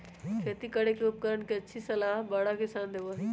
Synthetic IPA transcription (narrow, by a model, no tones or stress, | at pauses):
kʰeːt̪ikɐɽekeup̚kəɾəɳkeɐtːʃʰisɐlaːɦbɐɽakɪsaːnd̪eʋoɦ